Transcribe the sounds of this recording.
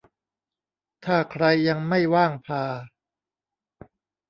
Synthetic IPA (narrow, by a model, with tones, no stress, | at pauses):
t̪ʰaː˥˩kʰɾa˧jːa˧ŋma˥˩jwaː˥˩ŋpʰaː˧